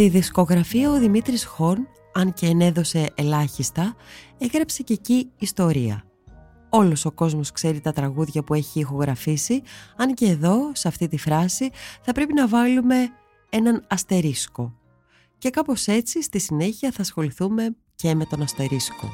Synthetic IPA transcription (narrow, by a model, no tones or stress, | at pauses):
iðisko̞ɣɾɐfiɐoðimit̪ɾisxo̞n | ɐɲceːne̞ðo̞se̞ʔelɐçist̪ɐe̞ɣɾɐpse̞ce̞ciːst̪o̞ɾiɐ̰ | o̞loso̞ko̞zmo̞skse̞ɾit̪ɐt̪ɾɐɣuðʝɐpue̞çiːxo̞ɣɾɐfisiɐɲce̞ːðo̞sɐft̪it̪ifɾɐsiθɐpɾe̞pinɐvɐlume̞ | e̞nɐnɐst̪e̞ɾisko̞ | ce̞kɐpo̞se̞t͡sist̪isine̞çiɐθɐːsxo̞liθume̞ | ce̞me̞t̪o̞nɐst̪e̞ɾisko̞̰